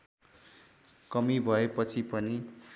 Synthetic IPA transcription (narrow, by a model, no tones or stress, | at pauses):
kʌmibʱʌepʌt͡sʰipʌni